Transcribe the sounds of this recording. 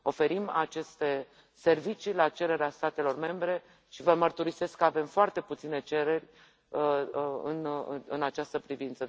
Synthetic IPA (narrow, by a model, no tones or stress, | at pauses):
o̞fe̞ɾimat͡ʃe̞st̪e̞ | se̞rvit͡ʃilat͡ʃe̞ɾe̞ɾeast̪at̪e̞lo̞rme̞mbɾe̞ | ʃivəmərt̪uɾise̞skːəave̞mfoart̪e̞put̪sine̞t͡ʃe̞ɾe̞rʲ | ɨ̰nɨnat͡ʃast̪əpɾivint̪sə